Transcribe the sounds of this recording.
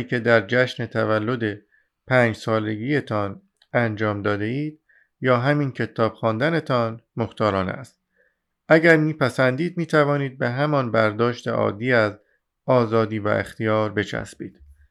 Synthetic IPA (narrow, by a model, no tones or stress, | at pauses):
icʰe̞d̪æɾd͡ʒæʃne̞t̪ʰævælːod̪e̞ | pʰæːnd͡ʒsɒːle̞ɡiːjet̪ʰɒːn | ænd͡ʒɒːmd̪ɒːd̪e̞iːd̪̥ | jɒːɦæmiːncʰe̞t̪ʰɒːb̥xɒːnd̪æne̞t̪ʰɒnmoxt̪ɒːɾɒːnæ̰st̪̚ | ʔæɟæɾmiːpʰæsænd̪iːd̪̚miːt̪ʰævɒːniːd̪̚beɦæmɒnbæɾd̪ɒːʃt̪ḛʔɒ̰ːd̪ːiːæz | ɒːzɒːd̪iːvæ̰ʔḛxt̪ijɒːɾbe̞t͡ʃʰæ̰sbḭːd̪̥